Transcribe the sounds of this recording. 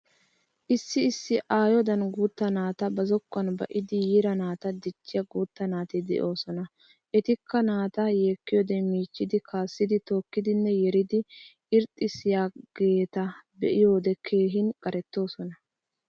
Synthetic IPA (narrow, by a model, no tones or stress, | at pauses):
ʔɪsːɪːsːɪʔaːjɔd̪ɐnɡuːt̪ːɐnaːt̪ɐbɐzɔkːɐnbɐʔɪd̪ɪjiːɾɐnaːt̪ɐd̪ɪt͡ʃːɪjɐɡuːt̪ːɐnaːt̪ɪd̪ɛ̰ʔo̞ːsɔnɐ | ʔɛt̪ɪkːɐnaːt̪ɐjeːkːɪjɔd̪ɛmiːt͡ʃːɪd̪ɪkʰaːsːɪd̪ɪt̪o̞ːkːɪd̪ɪnːɛjɛɾɪd̪ɪʔɪɾt̪ʼːɪsɪjaːɡ̥e̞ːt̪ɐbɛ̰ʔɪjo̞ːd̪ɛkʰe̞ːɦɪnkʼɐɾɛt̪ːo̞ːsɔnɐ